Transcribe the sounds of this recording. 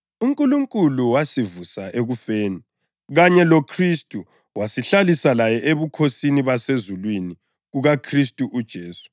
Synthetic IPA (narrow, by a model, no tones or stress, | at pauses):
uŋkʼuluŋkʼuluwasivusaʔeɣufeːni | ɣaɲɛlokʰristʼu | wasiɬalisalajɛʔeβukʰosiniβasezulwini | ɣuɣakʰristʼuʔud̥ʒ̥ʱeːsu̥